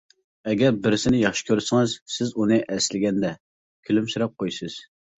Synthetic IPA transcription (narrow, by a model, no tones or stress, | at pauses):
ɛɡʲɛɾbɪɾɪsɪnɪjɑχʃɪ̥kʲʰøɾsɪŋɨz̥sɪzunɨʔɛslɪɡʲɛnd̪ɛ | kʲʰylymsyɾɛp̚qʰojsɨz̥